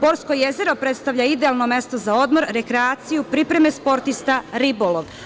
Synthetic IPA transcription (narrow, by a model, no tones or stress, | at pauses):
po̞ɾsko̞jeze̞ɾo̞pɾe̞t̪st̪aʋʎaid̪ealˠno̞me̞st̪o̞zao̞d̪mo̞ɾɾe̞kɾeaːt̪sijupɾipɾe̞me̞spo̞ɾt̪ist̪aɾibolˠoʋ